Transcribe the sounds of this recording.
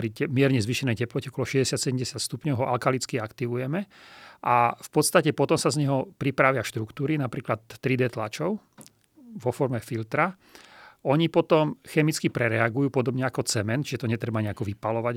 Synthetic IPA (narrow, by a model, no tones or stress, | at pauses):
ɾiɛmɪɛɾɲɛzʋiːʃɛnɛjcɛplɔcɛɔkɔlɔʃɛzɟɛsɪat̪sɛɟɛmɟɛsɪat̪st̪upɲɔʊɦɔʔalkalit͡skiakt̪iʋujɛmɛ | ʔafpɔt̪st̪acɛpɔt̪ɔmsazɲɛɦɔpɾipɾaʋɪafʃt̪ɾukt̪uːɾinapɾiːklat̪ːɾid̪ɛt̪lat͡ʃɔʊ | ʋɔfɔɾmɛfilt̪ɾa | ɔɲipɔt̪ɔmxɛmit͡skipɾɛɾɛaɡujuːpɔd̪ɔbɲɛakɔt͡sɛmɛnt͡ʃiʒɛt̪ɔɲɛt̪ɾɛbaɲɛakɔʋipalɔʋa